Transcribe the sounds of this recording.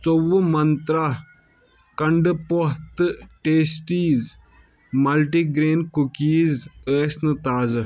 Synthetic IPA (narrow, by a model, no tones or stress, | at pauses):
t͡sowmɐnt̪ɾa | kɐɳɖpoɦt̪ʈeːsʈiːz | mɐlʈiːɡɾeːnkukiːzəːsnɨt̪aːz